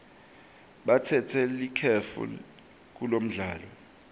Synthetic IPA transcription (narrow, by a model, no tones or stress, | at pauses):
ɓatʰɛtʰɛlikʰɛfṵ | k̬ulom̩ɮaːlɔ